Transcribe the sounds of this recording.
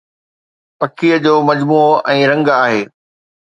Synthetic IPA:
pɐkʰiəd͡ʑoːmɐd͡ʑmuːoʔɛ̃ːɾɐ̃ŋɡaːɦeː

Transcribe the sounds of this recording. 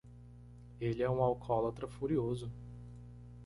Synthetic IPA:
elɪɛũawkʰɔlat̪ɾɐfuɾiozʊ

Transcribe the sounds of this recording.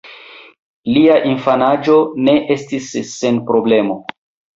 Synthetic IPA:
liaʔinfanad͡ʒo̞ne̞ʔe̞stisːe̞npɾo̞ble̞mo̞

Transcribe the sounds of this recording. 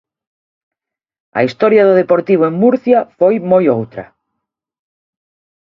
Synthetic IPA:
ɐ̰ist̪ɔɾjaðoðepoɾt̪iβoeŋmuɾθjafojmojowt̪ɾɐ̰

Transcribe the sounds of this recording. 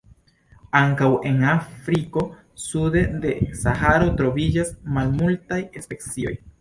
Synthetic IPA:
aŋkaweŋafɾiko̞ | suded̪esaxaɾo̞t̪ɾo̞βid͡ʒasmalmult̪ajespeksio̞̰j

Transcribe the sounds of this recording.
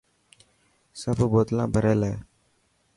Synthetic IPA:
səbboːt̪lãːbʱəɾeːleː

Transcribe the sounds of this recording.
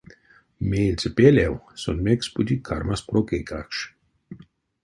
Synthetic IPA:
meːlʲt͡s̪ʲepelʲɛwsɔnmeksput̪ʲikʰaɾmaspɾokekakʃ

